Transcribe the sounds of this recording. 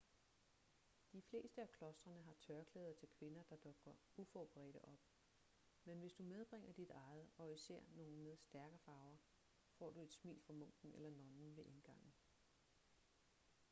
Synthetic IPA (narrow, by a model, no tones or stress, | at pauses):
d̥ifle̝̰ːsd̥əækʰlɒ̽sd̥ʁɐnəɦɑ̈t͡sʰɶɐkʰlɛːð̞ˠɐt͡sʰe̝lkʰʋe̝nɐd̥ɑ̈d̥ɔ̽ɡ̥ɐʔufɒb̥ʰʁɛ̰ːɾ̥əʔɒ̽b̥ | menʋe̝sd̥umeð̞ˠb̥ʁeŋ̰ɐd̥id̥ɑ̈ɪð̩ˠɒ̽isæɐ̰no̝ːn̩meðˠsd̥æɐɡ̥ɐfɑ̈ʊɐ | fɒ̰ːd̥ue̝d̥smḭːlfʁɑ̈mɔ̽ŋ̰ɡ̥n̩elɐnɒ̽nn̩ʋe̝ʔe̝nɡ̥ɑ̈ŋ̰n̩